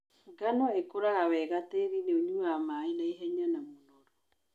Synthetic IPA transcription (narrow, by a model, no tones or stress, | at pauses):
ŋɡanɔekoɾaɣawɛɣateɾineoɲuamainaiɦɛɲanamonɔɾɔ